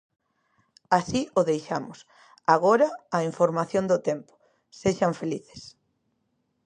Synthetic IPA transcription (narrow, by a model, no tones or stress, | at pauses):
asioðejʃamʊs | aɣoɾɐːiɱfoɾmaθjond̪ʊt̪empʊ̥ | seʃɐɱfeliθe̥s